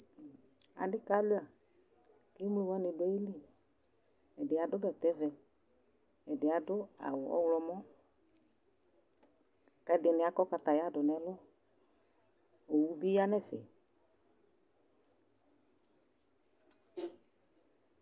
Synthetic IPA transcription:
a̰˨ndɪ˦ka˨˦lu˦a˨ | ki˦m˦e˦˨wa˦nɪ˨dɛ˦li˦˨ | ɛ˨dɪ˨a˨dʊ˦dɛ˨tɛ˦vɛ˨ | ɛ˨dɪ˨a˨dʊ˦a̰˨wʊ˨ɔ̰˦wlɔ˧mɔ˦ | ka˨˦dɪ˨nɪ˨a˨˦kɔ˦ka˨ta˨ja˦dʊ˨nɛ˨˦lɔ˦ | o˨wu˦bi˦a˦nɛ˦fɪ̰˨

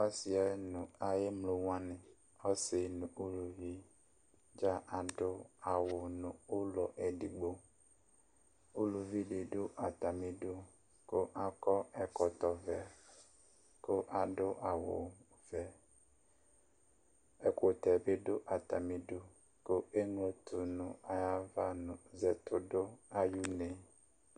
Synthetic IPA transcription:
ɔ˦si˨a˨˦nũ˨a˨je˦mlo˦wã˦nẽ˨ | ɔ˦se˨nũ˨ʔu˦lu˨vi˦ | d͡ʒa˦ʔa˨ɖo˦a˨wo˨nũ˨o˦lɔ˨ʔe˨ɖi˨ɡ͡bo˦ | u˦lu˨vi˦ɖe˨ɖo˦ʔa˨t̪a˨mĩ˨ɖo˦ | ko˦ʔa˦kɔ˦ɛ˨kɔ˨t̪ɔ˨vɛ˨ | ko˦ʔa˨ɖʊ˦ʔa˨wʊ̰˨ | vɛ˨ | ɛ˨ko˨t̪ɛ˨be˦ɖʊ˦ʔa˨t̪a˨mĩ˨ɖo˦ | ko˦e˦ŋ˦o˨t̪ʰu˨nʊ̃˨a˨ja˦va˦nʊ̃˨zɛ˨t̪ʰʊ˨dʊ˦a˨ju˦ne˨

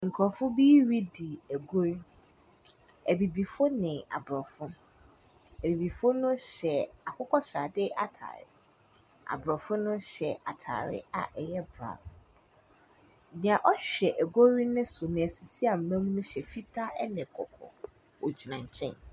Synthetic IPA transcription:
ŋ̩˨kʰɾɔ˨fʊ˦bi˦ɾi˦di˨æ˨ɡo˦ɾi˦ | æ˨bi˨bi˨fo˦nɪ̃˨a̰˨bɾɔ˨fʊ̃˦ | æ˨bi˨bi˨fʊ˦nʊ̃˦ɕɛ˨a˨kʰʊ˦kʰɔ˦ɕɾa˨dɪ˦ʔa˨tʰa̰ː˨ɾɪ̰˦ | a̰˨bɾɔ˨fʊ̃˦nʊ̃˦ɕɛ˨ʔa˨tʰa̰˨ɾɪ̰˦a̰˨ʔɛ˨jɛ˦bɾa̰˨ | mĩ˨ã˨ʔɔ˦ɕᶣɛ˨ʔæ˨ɡo˦ɾi˦nɪ̃˦sʊ˨nɪ̃˨æ˨si˨si˦a˨m̩˨mæ̃˦mũ˦nʊ̃˦ɕɛ˨fi˦tʰa˦ʔɛ˦nɪ̃˨kʰɔ˨kʰɔ̰˨ | o˨d͡ʑi˨nã˨ɲ̩˨t͡ɕʰɛ̰̃˦n

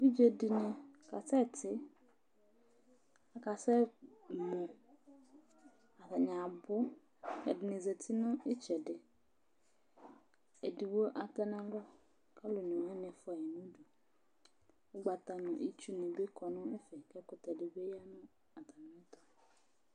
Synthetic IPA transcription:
bi˦d͡ʒe˨dɪ˨nɪ̃˨ka˨sɛ˦˨tɪ˦ | a˨ka˨sɛ˦ | mʊ̃˨ | a˨ta˨ɲã˨bʊ˦ | ɛ̰˨dɪ˨nɪ˨ze˨tʰi˦nʊ̃˦ɪ˦t͡ʃɛ˨dɪ˨ | e˨di˨wo˦ʔa˨t̪ɛ˦nã˨lʊ˦ | ka˦lʊ˨nɪ˨wɛ˦nɪ̃˨ɛ˨fʊ˦a˨jɛ˨nʊ̃˦do˨ | wʊ˦ɡ͡ba˨t̪a˨nʊ̃˨ʔḭ˦t͡ʃu˦nɪ˨be˦kɔ˨nʊ̃˦e˦fɛ˨kɛ˦kʊ˨t̪ɛ˨dɪ˨be˦ja˦nʊ̃˦ | a˨t̪a˨nʊ̃˦ɛ˦t̪ɔ˨

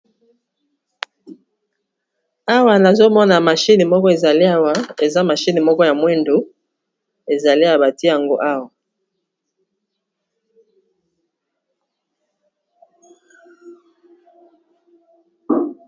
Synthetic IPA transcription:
a˦wa˨na˨zo˦mɔ˦na˨ma˨ʃi˦ni˨mɔ˦kɔ˦e˨za˨li˦a˦wa˦e˨za˦ma˨ʃi˦ni˨mɔ˦kɔ˦ja˨mwɛ˦ndo˨˦ | e˨za˨li˦a˨ba˨ti˦ja˨ŋɡo̰˦ʔa˦wa˨

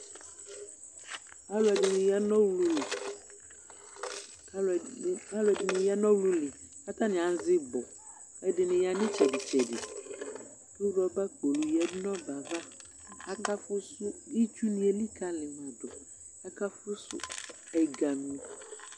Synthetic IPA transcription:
a˦lʊ˨ɛ˨dɪ˨nɪ̃˨ja˦nɔ̃˦wlu˦lɪ˨˦˨ | a˦lʊ˨ɛ˨dɪ˨nɪ̃˨ja˦nɔ̃˦wlu˦lɪ˨ | a˦ta˦nɪ̃˨ã˨n˦zɪ˦bɔ˨ | ɛ˨dɪ˨nɪ̃˨ja˨nɪ̃˦t͡ʃʰɛ˨dɪ˨t͡ʃʰɛ˨dɪ˨ | ʊ˦ɾɔ˨ba˦k͡po˨lu˨jɛ˨dɪ˦nɔ̃˦ba˨va˦ | a˦ka˦fʊ˦sʊ˦i˦t͡ʃu˦nĩ˨˦e˨li˦kʰa˦lɪ˨mã˨dɔ˨ | a˦ka˦fʊ˦sʊ̰˦ | ɛ˨ɡa˨mĩ˨

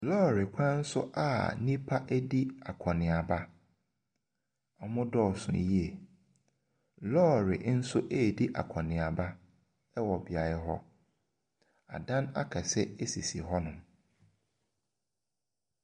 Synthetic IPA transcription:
lɔː˦˨ɾɪ˨kʷʰã˦n̩˦sʊ˦ʔa̰˦˨nĩ˦pʰa˦ʔæ˦di˦a˨kʰɔ̃˨nɪ̃˨a˨ba˦ | a˨mʊ̃˦dɔ˦˨sʊ̰̃˨ji˦ɛ˨ | lɔː˦˨ɾɪ̰˨˦n̩˦sʊ˦ʔe˦˨di˦ʔa̰˨kʰɔ̃˨nɪ̃˨a˨ba˦ | ɛ˦wɔ˨bi˨a˨ɾɛ˦ɦɔ̰˦ | a̰˨dã˦na˦kʰɛ˨sɛ˦e˦si˨si˨ɦɔ˦nʊ̃˨m

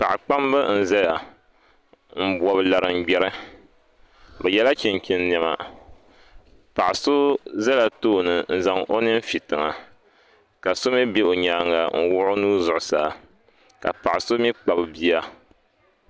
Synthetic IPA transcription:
pa˨ʔɪ˨k͡pa˦mbɨ˦n̩˦za˦ja˨ | m̩˦˨bwɔ˨bla˨ɾɨ˨ŋ̩˦˨ɡ͡bɛ˦ɾɨ˦ | bɨ˨jɛ˦la˦kɛ˨ŋ˨ki˨n˦n˨ɛ˨ma̰˨ | pa˨ʔɪ˨so˦za˦la˨toː˦˨nɨ˨n̩˦za˨ŋo˦nɨ˦m˦fi˨tɨ˨ŋa˨ | ka˨so˦mi˦be˦o˨ɲaː˦ŋa˨ŋ̩˦wʊ˦ʔʊ˦nuː˦zʊ˨ʔʊ˨saː˦˨ | ka̰˨pa˨ʔɪ˨so˦mi˦k͡pa˨bɨ˨bi˦a˦

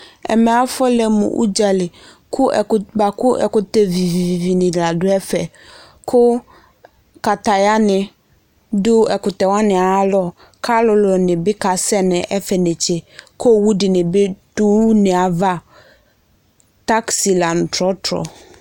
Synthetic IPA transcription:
ɛ̰˨mɛ˨a˦fɔ˦lɛ˦mʊ̰̃˨ʔṵ˦d͡ʒa˨lɪ˨ | kʰʊ˦˨ba˨kʊ˦ʔɛ̰˨kʊ˨tɛ˦vi˨vi˨vi˨vi˨nɪ̃˨dla˨dʊ˦ɛ˦fɛ˨ | kʰʊ˦ | ka˨ta˨ja˦nɪ̃˨ | dʊ˦ɛ˨kʊ˨tɛ˨wã˦nɪ̃˨a˨˦lɔ˦ | kʰa˦lʊ˨lʊ˨nɪ̃˨bɪ˦ka˨sɛ˦nɪ̃˨ʔɛ˦fɛ˨nɪ̃˨t͡ɕɛ˨ko˦˨wu˦dɪ˨nɪ̃˨bɪ˦d̥u˦nɪ̃˨a˨va˦ | ta˦ksi˨la˨n˨tɾɔ˦tɾɔ̰˨

